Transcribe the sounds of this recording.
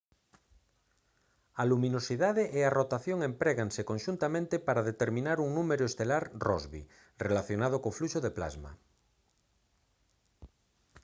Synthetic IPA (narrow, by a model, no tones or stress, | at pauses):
alumĩnosiðaðeʔearot̪aθjoŋempɾeɣaŋsekõnʃunt̪amẽnt̪epaɾaðet̪eɾmĩnaɾuŋnumeɾoest̪elaɾrɔzβḭ | relaθjonað̞okofluʃoðepla̰zma̰